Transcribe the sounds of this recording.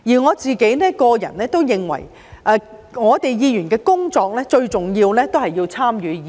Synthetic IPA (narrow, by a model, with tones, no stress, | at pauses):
jiː˨˩ŋɔː˨˧t͡siː˨ke˨˥jnɛː˥kɔː˧jɐ̰˨˩nɛː˥t̪o˥wjɪ˨ŋwɐ̰˨˩j | ʔɛː˧ŋɔː˨˧t̪e˨jjiː˨˧jyː˨˩nkɛː˧kʊ˥ŋt͡sɔː˧k̚lɛː˥t͡ʃɵ˧ɥt͡sʊ˨˩ŋjiː˧wlɛː˥t̪o˥whɐ˨jːiː˧wt͡sʰaː˥mjyː˨˧˦jiː˨